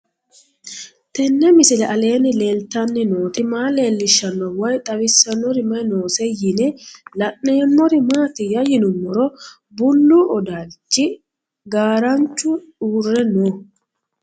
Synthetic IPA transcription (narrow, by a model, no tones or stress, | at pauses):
t̪ɛnːɛmɪsɪlɛʔɐle̞ːnɪle̞ːlt̪ːɐnːɪno̞ːt̪ɪmaːle̞ːlːɪʃːɐnːɔwɐjt̪ʼɐwɪsːɐnːɔɾɪmɐjno̞ːsɛjɪnɛlɐnːeːmːɔɾɪmaːt̪ɪjɐjɪnʊmːɔɾɔ | bʊlːuʔɔd̪at͡ʃːɪ | ɡaːɾɐnt͡ʃːʊᶑuːrːɛnoː